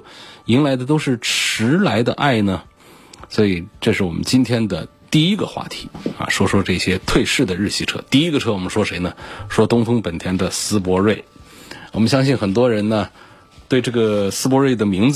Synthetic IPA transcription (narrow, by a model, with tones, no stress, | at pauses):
i˧˥nla˧˥ɪd̪ə˧t̪̬o˥ʊʂɻ̩˥˩ʈ͡ʂʰɻ̩˧˥la˧˥ɪd̪ə̰˧ʔa˥˩ɪnə˩ | swɔ˧˥i˨˩ʈ͡ʂɤ˥˧ʂɻ̩˥˩wɔ˨˩mʔə̰˦nt͡ɕi˥nt̪ʰjɛ˥nd̪ə̰˨ | t̪i˥˩i˥ɡə̰˨xwa̰˥˩t̪ʰi̥˧˥ɐ̰˨ʂwɔ˥ʂwɔ˥ʈ͡ʂɤ˥˩ɕjɛ˥t̪ʰwe˥˧ɪʂɻ̩˥˩d̪ə˩ɻɻ̩˥˧˩ɕi˥˩ʈ͡ʂʰɤ̰˥t̪i˥˩i˥ɡə˧ʈ͡ʂʰɤ˥wɔ˨˩mə˦nʂwɔ˥ʂe˧˥ɪnə˨ʂwɔ˥t̪ʊ˥ŋfɤ˥ŋpə˨˩nt̪ʰjɛ˥nd̪ə˨sɹ̩˥pwɔ˧˥ɻe˥˩ɪwɔ˨˩mə˦nɕjɑ˥ŋɕi˥˩nxə˨˩nt̪̬wɔ˥ɻə˧˥nnə˧ | t̪we˥˧ɪʈ͡ʂɤ˥˩ɡə˩sɹ̩˥pwɔ˧˥ɻwe˥˩ɪd̪ə˩mi˧˥ŋd͡z